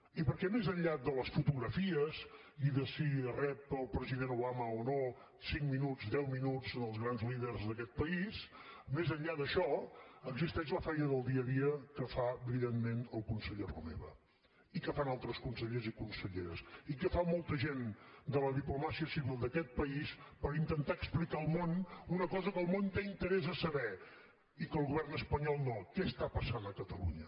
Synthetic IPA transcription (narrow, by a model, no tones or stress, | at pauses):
ipəɾkɛmezəʎʎad̪ələsfut̪uɣɾəfiəz | iðəsiərɛpəlˠpɾəziðenuβaməono | siŋminuzd̪ɛwminud͡zənəlˠzɣɾanzliðərzðəkɛt̪̚pəismezəɲʎaðəʃɔəɡzist̪ɛʃləfɛjnəðəlˠd̪iəðiəkəfaəβiðenmenəlˠkunsəʎerṵmḛβə̰ | ikəfanalˠt̪ɾəskunsəʎezikunsəʎḛɾə̰sikəfamɔlˠt̪əʒend̪ələðiplumasiəsiβilˠd̪əkɛt̪̚pəispəɾint̪ənt̪aəksplikaəlˠmonunəkɔzəkəlˠmont̪eint̪əɾɛzəsəβɛ | ikəlˠɣuβɛrnəspəɲɔlˠnokɛst̪apəsanəkət̪əlṵɲə